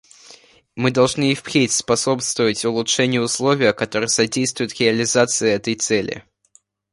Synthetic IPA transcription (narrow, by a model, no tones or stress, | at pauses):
mɨd̪ɐlˠʐnɨɪfpɾʲetʲspɐso̞pst̪vəvətʲʊlˠʊtʂɛnʲɪjəʊslˠo̞vʲɪjəkɐt̪o̞ɾɨjəsɐdʲejst̪vʊjɪt̪ɾʲɪɐlʲɪzat̪sɨɪɛt̪əjt̪sɛlʲɪ̰